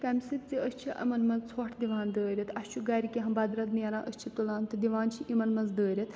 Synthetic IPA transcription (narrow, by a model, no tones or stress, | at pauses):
kɐmʲsit̪̚t͡siəsʲt͡ʃʰiʔɐ̰mɐnmɐnzt͡sʰoːʈʰd̪iʋaːnd̪əːɾʲit̪ʰɐsʲt͡ʃʰuɡɐɾikʲiɦɐmbɐd̪ɾɐt̪̚niɐɾãːʔəst͡ʃʰit̪ulaːnt̪ɨd̪iʋaːnt͡ʃʰiʔimɐnmɐnzd̪əːɾʲit̪